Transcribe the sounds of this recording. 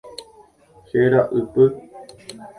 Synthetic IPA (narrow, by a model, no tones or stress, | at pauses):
heɾaʔɨpɨ